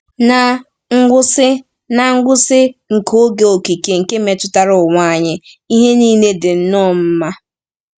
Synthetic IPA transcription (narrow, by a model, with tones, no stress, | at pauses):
na˨ | ŋ̩˦ɡʷʊ˦sɪ˦ | na˨ŋ̩˦ɡʷʊ˦sɪ˦ŋ̩˨kʰo˦ɡe˨o˨ki˨ke˨ŋ̩˨ke˦me˨tʊ˦ta˦ɾʊ˨ŋʷa˦˨ɲɪ˦ | i˦ɦe˦niː˦ne˦dɪ˨n̩˦nɔ˦˨m̩˦ma˦